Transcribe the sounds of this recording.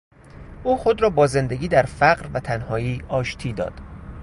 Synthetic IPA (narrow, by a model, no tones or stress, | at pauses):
ʔuːxod̪ɾɒːbɒːze̞nd̪e̞ɡʲiːd̪æɾfæɢɾvæt̪ʰænhɒːiːʔɒːʃt̪ʰiːd̪ɒ̰ːd̪̥